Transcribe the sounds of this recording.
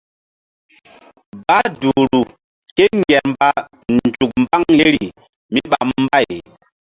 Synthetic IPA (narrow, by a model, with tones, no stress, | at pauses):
ba˦du˨ɾu˨ | ke˦ŋɡɛ˨ɾmba˦ | nd͡ʒu˨k̚m˦ba˦ŋje˦ɾi˨ | mi˦ɓa˨mm˦ba˦˨j